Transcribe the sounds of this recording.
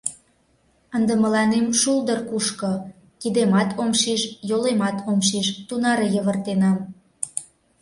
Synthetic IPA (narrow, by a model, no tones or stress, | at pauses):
ənd̪ə̆mə̆lɑnemʃuld̪ərkuʃko | kid̪emɑt̪ʰomʃiʃjolemɑt̪ʰomʃiʃt̪unɑɾəjəβərt̪enɑm